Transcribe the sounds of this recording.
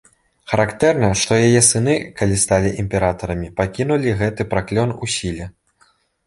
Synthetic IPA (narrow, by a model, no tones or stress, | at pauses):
xɐɾakt̪ɛrnɐʂt̪ɔjajɛsɨnɨkalʲist̪alʲiʔimʲpʲɛɾat̪ɐɾɐmʲipakʲinulʲiɣɛt̪ɨpɾaklʲɔnusʲilʲɛ